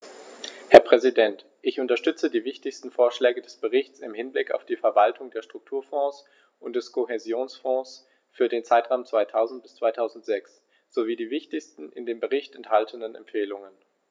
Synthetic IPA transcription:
hɛɐpʁ̥ɛzidɛnt | ʔɪçʔʊntɐʃtʏt͡sədiːvɪçtɪçstn̩foːɐʃlɛːɡədɛsb̥əʁɪçt͡sɪmhɪnblɪka̰ʊfd̥iːfɛɐvaltʰʊŋdeːɐʃtʁ̥ʊk̚tʰuːɐfɔ̃ːs | ʔʊnt̚d̥ɛskʰohezjoːnsfɔ̃ːs | fyːɐdeːnt͡saɪtʁ̥aʊmt͡sv̥aɪtʰaʊzn̩t̚b̥ɪst͡sv̥aɪtʰaʊzn̩tz̥ɛks | z̥oviːdiːvɪçtɪçstn̩ʔɪ̰ndeːmbəʁɪçtɛnthaltʰənənɛ̰mpfeːlʊŋən

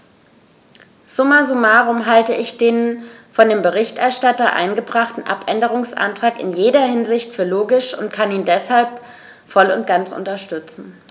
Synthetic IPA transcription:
z̥ʊmazumaːʁʊmɦaltəʔɪçd̥eːnfɔndeːmbəʁɪçtɛɐʃtatɐʔa̰ɪnɡəbʁaχtn̩ʔa̰pʔɛndəʁ̞ʊŋsʔa̰ntʁ̥aːkɪ̰njeːdɐhɪnzɪçtfyːɐloːɡɪʃʊntkʰaniːndɛshalp | fɔlʊnt̚ɡ̥ant͡sʔʊ̰ntɐʃtʏt͡sn̩

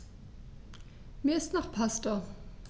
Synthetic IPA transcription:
mesnaχpʰasto

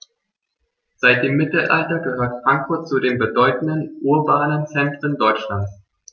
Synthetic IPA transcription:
z̥aɪt̚d̥eːmːɪtl̩ʔaltɐɡəhøːɐtfʁ̥aŋkfʊɐt̚t͡sudeːmbədɔʏtn̩dənʔuɐbaːnənt͡sɛntʁ̥əndɔʏt͡ʃlant͡s

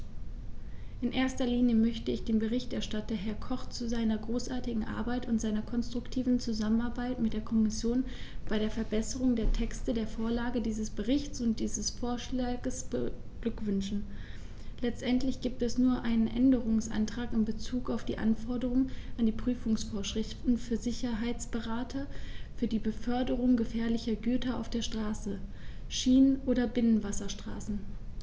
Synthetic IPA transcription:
ʔɪnʔeːɐstɐliːnjəmœçtəɪçd̥eːnbəʁɪçtʔɛɐʃtatɐɦɛɐkʰɔχt͡suzaɪnɐɡʁoːsʔaɐtɪɡŋ̩ʔa̰ɐbaɪtʊntz̥aɪnɐkʰɔnstʁ̥ʊktʰiːvn̩t͡suzamənaɐbaɪtmɪt̚d̥eːɐkʰɔmɪsjoːn | b̥aɪɾeːɐfɛɐbɛsəʁ̞ʊŋdeːɐtʰɛkstədeːɐfoːɐlaːɡədiːzəsb̥əʁɪçt͡sʊnt̚d̥iːzəsfoːɐʃlaːɡəsb̥ə | ɡ̥lʏkv̥ʏnʃn̩ | lɛt͡stʔɛntlɪçɡ̥iːp̚tɛsnuːɐʔaɪnənʔɛndəʁʊŋsʔa̰ntʁ̥aːkɪmbət͡suːkaʊfd̥iːʔa̰nfɔɐdəʁʊŋʔandiːpʁ̥yːfʊŋsfoːɐʃʁ̥ɪftn̩fyːɐzɪçɐɦaɪt͡sb̥əʁaːtʰɐfyːɐdiːbəfœɐdəʁʊŋɡəfɛːɐlɪçɐɡyːtɐa̰ʊfd̥eːɐʃtʁ̥aːsəʃiːnənʔoːɾɐbɪnənvasɐʃtʁ̥a̰ːsn̩

